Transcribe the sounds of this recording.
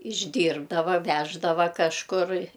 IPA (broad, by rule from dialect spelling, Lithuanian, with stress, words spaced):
ɪʒʲˈdʲiːrbdɐʋɐ ˈʋʲæːʒdɐʋɐ kɐʃˈkʊr